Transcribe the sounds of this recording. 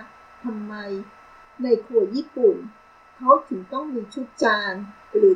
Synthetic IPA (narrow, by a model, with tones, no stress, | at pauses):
t̪ʰa˧mːa˧j | na˧jkʰuː˧˩əjiː˥˩pu˨˩n | kʰa˦˥wt̪ʰɯ˨˩˦ŋt̪ɔ˥˩ŋmiː˧t͡ɕʰu˦˥˩t̪̚t͡ɕaː˧n | ɾɯː˩˦